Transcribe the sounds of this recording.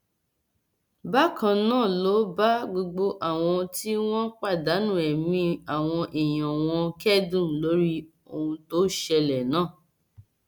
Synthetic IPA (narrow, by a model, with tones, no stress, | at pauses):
ba˦kʰã˧nãː˦˨lo˨˦ba˦ɡ͡bo˧ɡ͡bo˧ʔa˨w̃ɔ̃˧ti˦w̃ɔ̃˦k͡pa˦˨da˨˦nũ˦˨ɛ˨mĩ˧a˨w̃ɔ̃˧ʔi˨j̃ɔ̃˨w̃ɔ̃˧kɛ˦dũ˦˨lo˨˦ɾi˦ | o˧hũ˧to˦ʃɛ˧lɛ˨nãː˦˨